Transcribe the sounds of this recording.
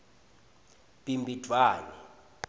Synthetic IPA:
b̥ʼimbʱid̥ʱwaːnɛ

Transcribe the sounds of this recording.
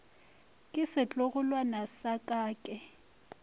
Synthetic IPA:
kʼɪsɪt͡ɬʼʊɣʊlwanasakʼaːkʼɛ

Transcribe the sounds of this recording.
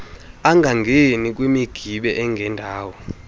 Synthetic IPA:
aŋʱaŋɡʱenik̬wemiɡ̥ʱiɓɛʔɛŋɡʱɛndʱaːwɔ

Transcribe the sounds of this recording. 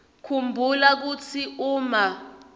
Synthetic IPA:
kʰumbʱulak̬ut͡sʰiuːma

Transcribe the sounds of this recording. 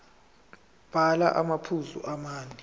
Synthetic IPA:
b̥ʱala̰ʔamapʰuzṵʔamaːni

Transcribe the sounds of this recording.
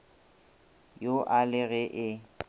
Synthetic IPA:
joʔalɪɣɛʔɪ

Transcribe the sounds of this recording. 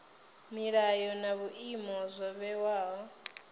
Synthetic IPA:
miɺajɔnaβuʔimɔzʷɔβɛwaːɦɔ

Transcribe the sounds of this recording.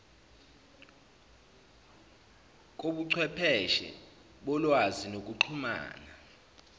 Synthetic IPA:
k̬ʼoɓuǀʰwɛpʰɛʃɛ̰ | ɓɔlwazinok̬ʼuǃʰuma̰ːna

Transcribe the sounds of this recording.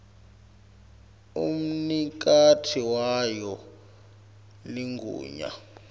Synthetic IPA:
ṵm̩nik̬ʼatʰiwajɔ | liŋɡʱṵːɲa̰

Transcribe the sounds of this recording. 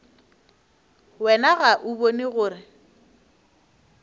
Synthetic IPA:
wɛnaɣaʔʊboniɣʊːɾɪ

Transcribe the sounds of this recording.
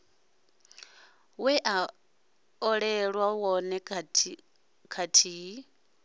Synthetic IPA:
wɛʔa | ɔɺɛɺwawɔnɛ | kʰatʰiːi

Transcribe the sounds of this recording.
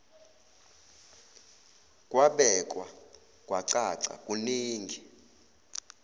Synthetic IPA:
kʼwaɓɛkʼwa | kʼwaǀaǀa̰kʼuniːŋɡʱi

